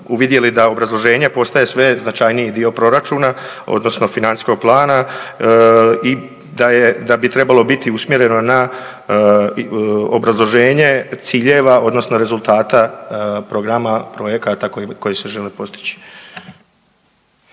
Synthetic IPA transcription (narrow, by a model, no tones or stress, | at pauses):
uʋid̪je̞lid̪ao̞bɾazlˠo̞ʒe̞ːɲe̞po̞st̪aje̞sʋe̞znat͡ʃajnijid̪io̞pɾo̞ɾat͡ʃuːna | o̰d̪no̞sno̞finansi̥sko̞ɡ̚plˠaːna | i | d̪ajed̪abit̪ɾe̞balˠo̞bit̪iusmje̞ɾe̞no̞na | o̰bɾazlˠo̞ʒe̞ːɲe̞t̪siːʎe̞ʋao̞d̪no̞snoɾe̞zulˠt̪aːt̪apɾo̞ɡɾamapɾo̞je̞kat̪akoko̞jese̞ʒe̞lipo̞st̪i̥t͡ɕi̥